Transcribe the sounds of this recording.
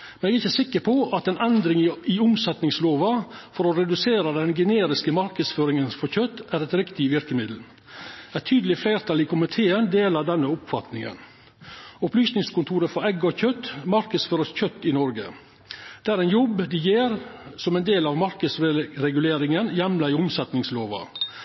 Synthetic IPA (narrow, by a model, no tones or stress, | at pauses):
mɛnɛɡæɪçəsɪkːəɾpʰɔʔɑt̪ɛnɛnd̪ɾɪŋɪʊmsɛt̪nɪŋsloːʋɑfɔɾɔɾɛd̪ʉseːɾəd̪ɛnɡəneːɾɪskəmɑɾkəd̪sføːɾɪŋənfɔɾçœt̪ːæɾɛt̪ɾɪkt̪ɪʋɪɾkəmɪd̪l̩ | æt̪ʰyːd̪əlɪfleːɾt̪ʰɑlɪkʰʊmɪt̪ʰeːənd̪eːlɑʋd̪ɛnːəʊpfɑt̪nɪŋə̰n | ʊplyːsnɪŋskʊnt̪ʰuːɾəfɔɾɛɡɔçœt̪ːmɑɾkəsføːɾəsçœt̪ːɪnɔɾɡə̰ | d̪̥æːɾɛɪnjɔbd̪ɪjeːɾsɔmɛɪnd̪eːlɑʋmɑɾkəsɾɛɡʉleːɾɪŋənjɛmlɑɪʊmsɛt̪nɪŋsloːʋɑ̰